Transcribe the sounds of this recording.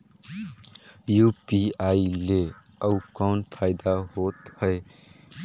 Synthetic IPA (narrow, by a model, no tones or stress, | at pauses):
jupiaile | əukɔʊnpʰaɪd̪aɦot̪həe